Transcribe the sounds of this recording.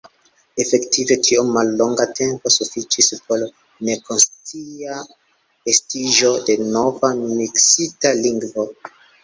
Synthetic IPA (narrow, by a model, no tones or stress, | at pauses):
efe̞ktʰive̞tʰiomalːo̞ŋɡatʰe̞mpo̞sufit͡ʃispʰo̞l | ne̞kʰo̞nstia | estiʒo̞de̞no̞vamiksitaliŋɡvo̞